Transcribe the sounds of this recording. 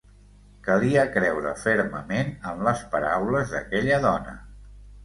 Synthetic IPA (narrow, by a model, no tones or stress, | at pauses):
kəliəkɾɛwɾə̰feɾməmenəmləspəɾawləzðə̰kɛʎəðɔnə̰